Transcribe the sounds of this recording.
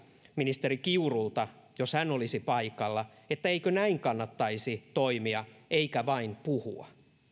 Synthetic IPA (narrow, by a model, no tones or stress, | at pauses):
minist̪e̞ɾikiurult̪ɑ | joshænːolisipɑikɑlːɑ | et̪ːæeikønæiŋkɑnːɑt̪ːɑisit̪o̞imiɑʔeikæʋɑinpuhṵɑ̰